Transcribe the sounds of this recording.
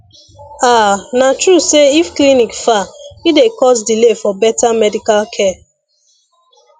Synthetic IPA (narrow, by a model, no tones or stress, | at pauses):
anatɹuseifklinikfaidekɔsdilefɔbɛtamɛdikalkʰɛ